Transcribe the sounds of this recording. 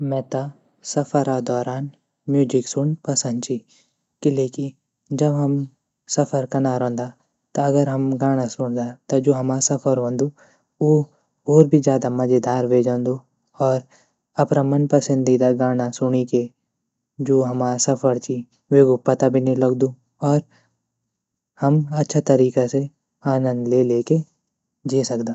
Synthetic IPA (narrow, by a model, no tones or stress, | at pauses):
mɛ̃ːt̪a | sɐpʰəɾad̪ɔːɾaːn | mjuːd͡ʒɪksʊnpɐsə̃nd̪t͡ʃi | kileːki | d͡ʒɐbɦɐm | sɐpʰəɾkɐnaːɾõːnd̪a | t̪ɐɐɡəɾɦɐmɡaːɽ̃asʊnd̪at̪ɐd͡ʒoːɦɐmaːsɐpʰəɾɦõːnd̪u | o | oːɾbʱid͡ʒjaːd̪amɐd͡ʒed̪aːɾʋeːd͡ʒãːnd̪u | ɔːɾ | ɐpɾamənpɐsə̃nd̪ʱid̪aɡaːñasʊɽ̃ike | d͡ʒoːɦɐmaːsɐfʰəɾt͡ʃi | ʋeːɡʊpːɐt̪abʱinelɐɡd̪u | ɔːɾ | hɐmɐtːʃʰat̪ɐɾiːkase | aːnə̃nd̪leːleːke | d͡ʒeːsɐkd̪aː